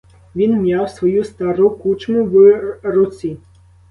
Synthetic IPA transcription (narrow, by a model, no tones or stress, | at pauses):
ʋʲinmʲjawsʋɔjust̪aɾukut͡ʃmʊʋrʊt͡sʲi